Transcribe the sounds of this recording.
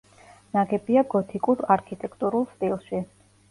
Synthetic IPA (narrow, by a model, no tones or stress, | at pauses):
naɡɛbiaɡɔt̪ʰikʼuɾaɾkʰit̪ʼɛkʰt̪ʼuɾulˠst̪ʼilˠʃi